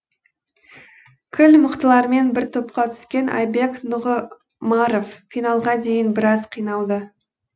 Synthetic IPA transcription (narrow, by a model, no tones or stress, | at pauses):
kʲʰɪlməqt̪əlˠɑɾme̞nbɪɾt̪ʰo̞p̚qɑt̪ʰʏ̥skʲe̞nʔɑ̰jbe̞knʊʁə | mɑɾoffijnɑlˠʁɑd̪e̞jɪnbɪɾɑzqʰijnɑlˠd̪ə